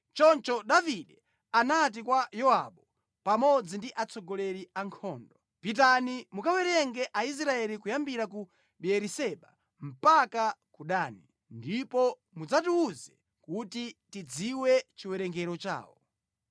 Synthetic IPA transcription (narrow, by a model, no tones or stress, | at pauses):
t͡ʃɔnt͡ʃɔɗaviɗɛ | anat̬ikwajɔaɓɔ | pamɔd͡zindiʔat͡sʰɔɡɔlɛɾiaŋkʰɔːndɔ | pit̬animukawɛɾɛŋɡɛʔais̬ɾaɛlikujambiɾaku | ɓiɛɾisɛɓa | m̩pakakuɗaːni | ndipɔ | mud͡zatuuzɛ | kutitid͡ziwɛt͡ʃiwɛɾɛŋɡɛɾɔt͡ʃa̰ːwɔ̰